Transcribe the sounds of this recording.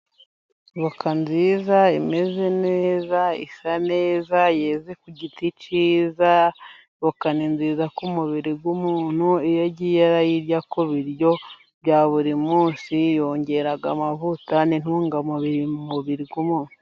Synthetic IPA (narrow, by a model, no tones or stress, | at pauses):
βakanziːzaime̞ze̞neːzaḭsane̞ːzajezekuɟitit͡ʃiːza | βakaninziːzakumuβiɾiɡwumuːn̥huijaɟijaɾajiɾɟakoβiɾjo̞ | βjaːβuɾimuːnsijo̞ːɲɟe̞ɾaɡa̰mavutanin̥uːŋɡamuβiɾiumuβiɾiɡwumuːn̥hu̥u